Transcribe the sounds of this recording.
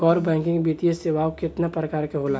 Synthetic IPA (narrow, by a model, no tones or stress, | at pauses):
kɔːɾbɛ̃ːŋkɪ̃ŋɡbit̪ieseːʋaːokɪt̪napɾəkaːɾkeɦola